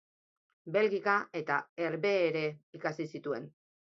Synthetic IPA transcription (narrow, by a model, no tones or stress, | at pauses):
be̞lɣikae̞t̪aeɾβe̞ːɾe̞ikasisit̪ue̞n